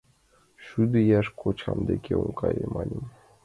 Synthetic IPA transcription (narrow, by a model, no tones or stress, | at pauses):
ʃyd̪ĕjæʃkʰot͡ɕʰɑmd̪ekʲeuŋkɑjəmɑlʲəm